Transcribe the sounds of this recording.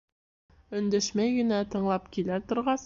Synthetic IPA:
ɵ̆nd̪æʃmæjɡɘ̆næt̪ɤ̆ɴlˠɑpkilæɾt̪ŏɾʁɑs

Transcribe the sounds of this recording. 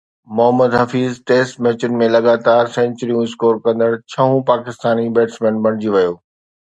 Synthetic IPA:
mʊɦəməd̪ɦɐfiːzʈeːsʈmɛːt͡ɕʊnmẽlɐɠaːt̪aːɾsɛ̃ːnt͡ɕɾijũɪskoːɾkɐ̃nd̪əɽt͡ɕʰɐɦũpaːkɪst̪aːnibeːʈsmɛ̃ːnbʱɐɽ̃d͡ʑiʋɐjoː

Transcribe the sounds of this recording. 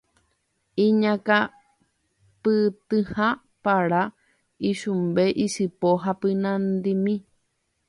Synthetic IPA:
ĩɲãka | pɨt̪ɨhã | paɾa | iʃumbeʔisɨpoɦapɨnãnd̪imĩ

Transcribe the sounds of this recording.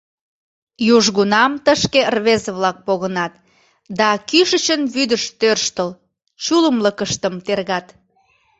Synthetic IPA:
juʒɣunɑmt̪əʃkeərβezəβlɑk̚poɣənɑt̪ | d̪ɑkyʃət͡ɕənβyd̪əʃt̪ørʃt̪əl | t͡ɕuləmləkəʃt̪əmt̪erɣɑt̪

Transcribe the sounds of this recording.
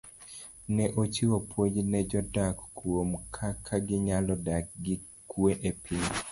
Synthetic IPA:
nɛʔot͡ʃɪwopwod͡ʒnɛd͡ʒɔdakːuomkʰakʰːaɡɪɲalɔdak̚ɡɪ | kueʔepiɲ

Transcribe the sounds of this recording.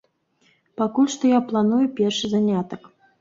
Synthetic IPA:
pakulʲʂt̪ɔjaplˠanujupʲɛrʂɨzanʲat̪ɐk

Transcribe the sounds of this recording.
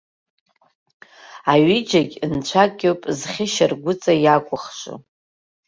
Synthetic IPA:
aɥid͡ʒaɡʲnt͡ɕʷʰakʼʲowpʼzχʲɪʃarɡʷʊt͡sʼajakʷʼʊχʂʷṵ

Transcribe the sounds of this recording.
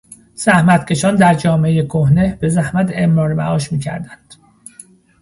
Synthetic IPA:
z̥æhmæt̪cʲʰe̞ʃɒːnd̪æɾd͡ʒɒːmeejekʰohne̞b̥e̞zæhmæt̪emɾɒːɾmæ̰ɒːʃmiːcʰæ̰ɾd̪ænd̪̥

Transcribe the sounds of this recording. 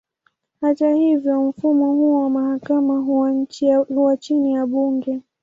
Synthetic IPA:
hatahivjɔm̩fumɔhuwamahakamaɦuwaɲ̩t͡ʃihuwat͡ʃinijaɓuŋɡɛ

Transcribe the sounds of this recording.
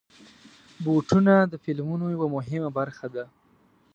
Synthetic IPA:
boʈunad̪əfɪlmunojawamʊɦɪmabaɾxad̪a

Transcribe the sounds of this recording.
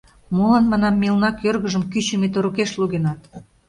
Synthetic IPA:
molɑnmɑnɑmːilnɑkjørɣəʒə̆mkyt͡ɕemet̪oɾukeʃluɣenɑt̪

